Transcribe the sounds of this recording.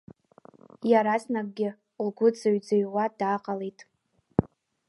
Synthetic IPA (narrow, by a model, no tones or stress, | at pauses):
jaɾasnak̚ʼɡʲɪ | lɡʷʊd͡zaɥd͡zaɥwadaːqʼalejtʼ